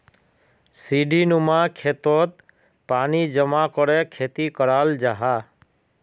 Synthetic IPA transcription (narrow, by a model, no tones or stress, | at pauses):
siɖʱinumakʰet̪ɔt̪ | panid͡ʒəmakɔɾekʰet̪ikɔɾald͡ʒaɦa